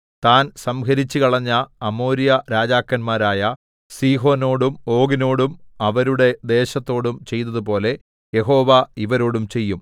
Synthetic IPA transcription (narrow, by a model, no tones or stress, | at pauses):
t̪aːnsɐmɡɐɾit͡ɕːɨkɐɭɐɲːɐːmo̞ːɾjɐɾaːd͡ʑaːkːɐnmaːɾaːjɐ | siːɦo̞ːno̞ːɽumo̞ːɡino̞ːɽumɐʋɐɾuɽe̞d̪e̞ːɕɐt̪ːo̞ːɽumt͡ɕe̞jt̪ɐðupo̞ːle̞ | je̞ɦo̞ːʋɐiʋɐɾo̞ːɽumt͡ɕe̞jːum